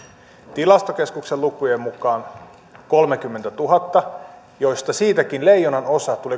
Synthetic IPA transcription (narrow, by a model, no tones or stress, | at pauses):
t̪ilɑst̪oke̞skukselukujemmukɑːn | ko̞lmek̟ymːe̞nt̪æt̪uɦɑt̪ːɑ | jo̞jst̪ɑsiːt̪ækinle̞jːonɑno̞sɑt̪uli